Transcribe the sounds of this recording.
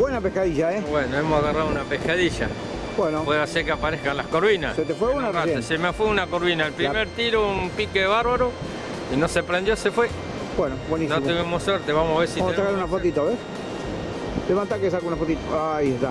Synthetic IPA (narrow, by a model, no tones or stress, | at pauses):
bwenapehkaðiʒaebwenoemosaɣaraðounapehkaðiʃa̰ | bwenopweðaseɾkeapaɾehkanlahkoɾβinasset̪efweunaaeesemafweunakoɾβinaelpɾimeɾt̪iɾoumpikeðeβaɾβaɾo | ino̞sepɾend̪josefwe | bwenobwenisnot̪eemosweɾt̪eβamosaβeɾsiamosakaɾunafot̪it̪aβes | leβant̪akes̬akunafot̪it̪aaiest̪a